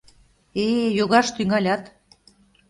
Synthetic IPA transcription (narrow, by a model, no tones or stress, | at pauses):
ejoɣɑʃt̪yŋɑlʲɑt̪